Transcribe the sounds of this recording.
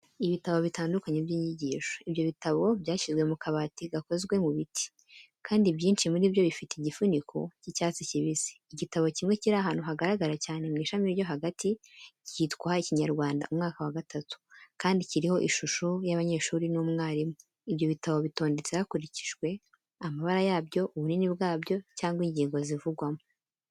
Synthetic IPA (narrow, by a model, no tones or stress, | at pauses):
iβitaβo̞βitaːndukaɲebjiːɲiɟiːʃoibjo̞βitaβo̞bjaːʃizɡwemukʰaβatiɡako̞zɡwe̞muβitʰi̥ | kʰaːndibjiːnt͡ʃimuɾibjo̞βifiteiɟifunikʰocicaːt͡siciβizi̥ːɟitaβo̞cimŋe̞ciɾaɦaːn̥huɦaɡaɾaɡaɾacaːne̞mŋiːʃamiɾjo̞ɦaɡatʰiciːtkwahaiciɲaɾɡwaːnda̰umŋaːkawaɡatatu̥kaːndiciɾiho̞ʔiʃuʃujaβaɲe̞ːʃuːɾinuːmŋaːɾimo | ibjo̞βitaβo̞βito̞ːnde̞t͡sehakuɾici̥ʒɡwe̞ | amaβaɾajaːbjo̞ʔuβuninibɡaːbjo̞caːŋɡwiɲɟiːŋɡo̞zivuɡwamo